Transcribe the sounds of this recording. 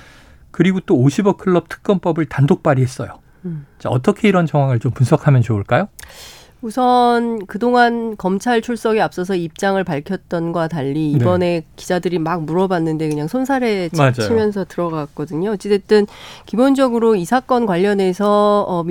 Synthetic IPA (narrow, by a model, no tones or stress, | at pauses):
kɯɾiɡot͈oːɕʰibʌkʰɯɭːʌp̚tʰɯ̥k̚k͈ʌnp͈ʌbɯɭtandok̚p͈aɾiɦe̞s͈ʌjo | t͡ɕ͈aʌ̰t͈ʌkʰe̞iɾʌnt͡ɕʌŋɦwaŋɯɭt͡ɕompunsʰʌkʰamjʌnt͡ɕouɭk͈ajo | usʰʌnkɯdoŋankʌmt͡ɕʰaɭt͡ɕʰuɭs͈ʌɡeap̚s͈ʌs̬ʰʌip̚t͡ɕ͈aŋɯɭpaɭkʰjʌt̚t͈ʌnɡwataʎːiːbʌne̞kid͡ʑadɯɾimak̚muɾʌbanːɯnde̞kɯɲaŋsʰonsʰaɾe̞ad͡ʑt͡ɕʰimjʌns̬ʰʌtɯɾʌɡak̚k͈ʌdɯɲoʌt͡ɕ͈e̞tet͈ɯnkibond͡ʑʌɡɯɾoisʰak͈ʌnkwaʎːʌne̞sʰʌː